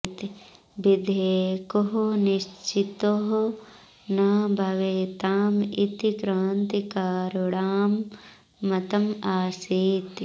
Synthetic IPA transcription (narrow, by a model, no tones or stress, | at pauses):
t̪i | bid̪ʱeːkoɦoniʃt͡ʃit̪oɦo | nɐːbʱɐʋeːt̪aːmḭt̪ikɾaːnt̪ikaːɾuɽaːmː | ɐt̪ɐmaːsiːt̪